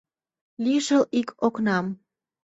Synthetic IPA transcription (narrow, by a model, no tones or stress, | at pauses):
liʃəlikʰoknɑm